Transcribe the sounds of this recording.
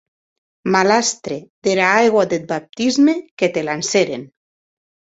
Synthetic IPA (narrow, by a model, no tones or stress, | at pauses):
malast̪ɾeðeɾaajɣwad̪et̪̚bap̚t̪izmeket̪elanseɾen